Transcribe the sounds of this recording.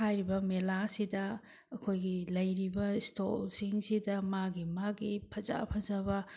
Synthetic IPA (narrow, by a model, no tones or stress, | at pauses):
hajɾibɐmelasidɐ | ɐkʰojɡilɐjɾibɐisto̰lsiŋsidɐmaɡimaɡipʰɐza̰pʰɐzɐbɐ